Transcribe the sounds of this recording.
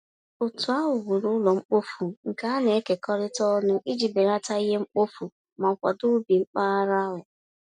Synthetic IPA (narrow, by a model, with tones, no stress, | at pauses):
ʊ˨tʊ˨a˦ɦʊ˨ɣʊ˨ɾʊ˦lɔ˨ŋ͡m̩˦k͡po˦fu˨ŋ̩˨ka˦a˦ne˨e˦ke˨kɔ˦ɾɪ˦tɔ˦nʊ˦ʔi˦d͡ʒi˨be˨ɾa˦ta˦i˦ɦe˦ŋ͡m̩˦k͡po˦fu˨ | ma˨kʷa̰˨dʊ˦bi˨ŋ͡m̩˦k͡pa˦a˦ɾa˦lʊ˨